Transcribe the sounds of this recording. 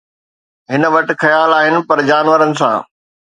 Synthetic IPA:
ɦɪn̆ʋɐʈɪ̆xɐjaːlaːɦɪnɪ̆pɐɾd͡ʑaːnʋəɾənɪ̆sã̰ː

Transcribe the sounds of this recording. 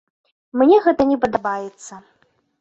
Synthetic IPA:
mnʲɛɣɛt̪ɐnʲɛpɐd̪ɐbajɛt̪sːɐ

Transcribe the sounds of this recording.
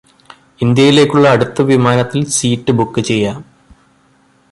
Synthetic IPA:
ind̪jɐjile̞ːkʲːuɭːɐːɽut̪ːɐʋimaːnɐt̪ːilsiːtːɨbukːɨt͡ɕe̞jːaːm

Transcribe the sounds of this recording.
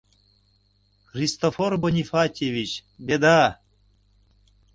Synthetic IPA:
xrʲist̪oforbonʲifatʲevʲit͡ɕbʲed̪a

